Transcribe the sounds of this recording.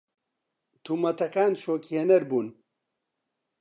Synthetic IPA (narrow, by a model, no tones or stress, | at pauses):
t̪ʰuːmɐt̪ɐkaːnʃoːkihɛnɛɾbuːn